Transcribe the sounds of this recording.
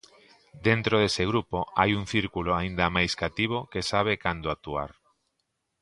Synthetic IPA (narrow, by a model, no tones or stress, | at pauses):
d̪ent̪ɾoðesɪɣɾupoajuŋθiɾkuloaind̪ɐmajskat̪iβ̞okesaβ̞ekand̪oak̚t̪uaɾ